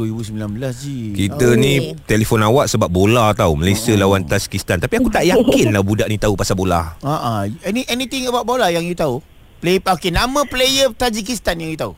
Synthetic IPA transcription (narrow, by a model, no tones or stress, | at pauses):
uɾibusəmbilanbəlasd͡ʒikit̪ənĩt̪elefɔnawaʔsəbap̚bolat̪auməlasiəlawant̪ad͡ʒi̥kist̪ant̪apiakut̪aʔjakɪnlabudaʔnit̪aupasabola̰aʔaɛniʔɛnit̪ɪ̃ŋəbawt̪̚bolajaŋjut̪au | pleəpakɪnamə̃plejət̪ad͡ʒik̬ist̪anjaŋjut̪au